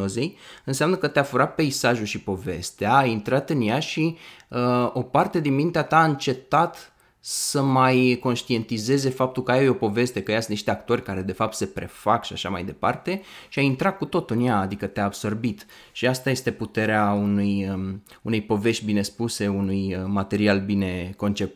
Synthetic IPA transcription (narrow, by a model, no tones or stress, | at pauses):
ozejɨnseamnəkət̪eafuɾat̪̚pe̞isaʒuʃipo̞ve̞̰st̪eaːint̪ɾat̪ɨnjaʃiəo̞part̪e̞d̪inmint̪eat̪aɨnt͡ʃe̞t̪at̪ | səmajko̞nʃt̪ie̞nt̪ize̞ze̞fap̚t̪ulkəajajo̞po̞ve̞st̪e̞kəjasɨniʃt̪eak̚t̪o̞rʲkaɾe̞d̪e̞fap̚t̪se̞pɾe̞̰fakʃiaʃa̰ma̰jd̪e̞pa̰rt̪e̞ʃiaint̪ɾat̪̚kut̪o̞t̪ɨnjaːd̪ikət̪eaːbso̞rbit̪ | ʃiast̪aje̞st̪e̞put̪e̞ɾeaunujəunejpo̞ve̞ʃt̪̚ʲbine̞spuse̞unujmat̪e̞ɾialbine̞ko̞nt͡ʃe̞p̚t̪